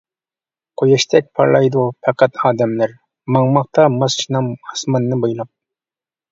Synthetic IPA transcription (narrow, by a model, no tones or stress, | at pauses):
qʰojɑʃt̪ʰɛk̚ʲpʰɑ̰ɾlˠɑjd̪upʰɛqʰæt̪ʰɑːd̪ɛmlæɾ | mɑŋmɑχt̪ɑmɑst͡ʃinɑmhɑsmɑnːɨbɑjlˠɑp̚